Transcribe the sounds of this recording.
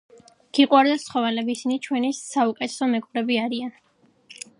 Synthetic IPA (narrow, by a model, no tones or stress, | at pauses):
ɡ̥iqʼwaɾd̪asχɔvɛlɛbisinit͡ʃʰwɛnisːaukʼɛt̪ʰɛ̥sɔmɛkʼuɾɛbiaɾian